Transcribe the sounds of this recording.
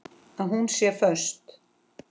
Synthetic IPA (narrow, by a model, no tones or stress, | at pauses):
aðɦunsjɛfœ̥st̪